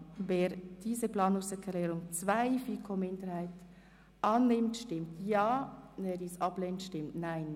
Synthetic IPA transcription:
veːɾd̥iːzəplɑːnʊŋsɛkʰlɛːɾʊŋt͡svaɪfiːkʰoːmɪndəɾhaɪt | ʔɑːnːɪmtʃtɪmtjɑːneːdisɑb̥leːntʃtɪmtnaɪn

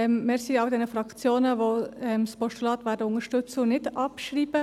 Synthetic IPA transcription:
ɛmmɪːɾsiːɑʊd̪ɛnəfɾɑkt͡sjoːnəʋoɛmspɔʃtulɑːt̪ʋæːɾdəʊŋəʃtʏt͡sənɪdɑpʃɾiːb̥ə

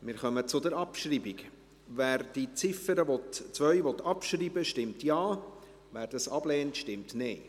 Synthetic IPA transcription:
mɪɾχœmət͡sʊd̪əɾɑpʃriːbik | væːɾd̥it͡sɪfəɾəʋɔtt͡sʋœʏʋɔt̪ʰɑpʃriːbəʃtɪmtjɑː | væːɾd̥ɑsɑb̥lɛːntʃtɪmtneː

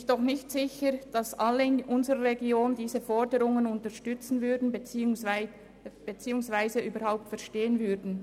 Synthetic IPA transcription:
çd̥ɔχnɪçtz̥ɪçəd̥ɑsʔalːəʔʊnzəʁəʁeɡioːndiːzəfɔʁdəʁʊŋənʊntəʃtʏt͡sn̩vʏɐdn̩ | b̥et͡siːʊŋsv̥aɪzəʔyːbəhaʊp̚tfɛɐʁʃteːənvʏdn̩

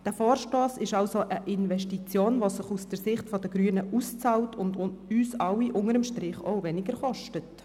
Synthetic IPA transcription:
d̥æfoːɾʃtoːsɪʃɑwsoʔəʔɪnʋɛʃtit͡sjoːnʋosɪχusd̥əɾsɪχtfɔd̥əɡɾyːənəʔust͡sɑltʊndʊyːsɑwiʔʊŋəɾəmʃtɾɪχoʊvɛnɪɡəɾχɔʃtət

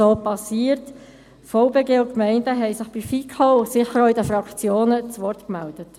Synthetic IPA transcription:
oːpɑsiːəɾt | fɔʊbeːɡeːʊkmɛɪndəɦɛɪsɪχb̥ifikʰaʊsɪχəɾoɪdəfɾɑkt͡sjoːnət͡sʋɔrtkmæld̥ət

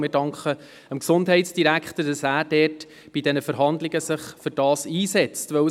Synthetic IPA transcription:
mɪdɑŋkχə | əmksʊndɦɛɪtsd̥iɾækχt̪əɾd̥ɑsæːɾd̥ɛːt | b̥idɛnəfəɾɦɑndlɪɡəsəχfʏɾd̥ɑːsiːsɛt͡stʋœ

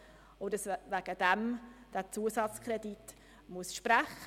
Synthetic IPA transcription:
odəsvæɡ̥əd̥ɛmd̥æt͡suəsɑt͡skʰɾɛdit | muəsʃpɾæχ

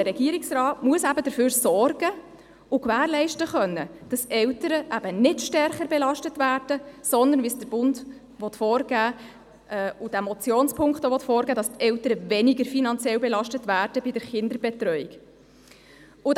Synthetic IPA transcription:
əɾɛɡ̥iːɾɪksrɑːtmuəsæbədəɾføːɾsɔrɡ̥ə | ʊkʋæːɾlɛɪʃtəχœnːəd̥ɑsɛwtəɾəʔæb̥ənɪdʃtɛrχəɾbɛlɑʃtətʋæːɾd̥əsɔndənʋisd̥əɾb̥ʊnd | ʋɔtfɔːɾɡ̥æː | ʔɛʊd̥æmɔt͡sjoːnspʰʊŋktoʋɔtfɔːɾɡæːdɑstɛwtəɾəvɛniɡəɾfinɑnt͡sjɛlbɛlɑʃtətvæːɾd̥əbɪd̥əɾχɪnd̪əɾbɛt̪ɾœʏik | ʊ

